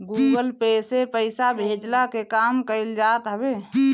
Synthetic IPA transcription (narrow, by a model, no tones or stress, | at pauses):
ɡuɡəlpesepəɪsabʱed͡ʒlakekaːmkəɪld͡ʒaːt̪ɦəbe